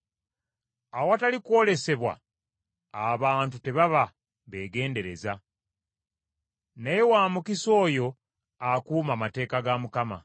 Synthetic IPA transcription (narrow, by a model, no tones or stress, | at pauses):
awatalikwo̞le̞se̞βwa̰ː | βaːntute̞βaβa | βe̞ːɡe̞ːnde̞ɾe̞̰za | najewaːmukiso̞ːjo̞ | akuːmamate̞ːkaɡamukama̰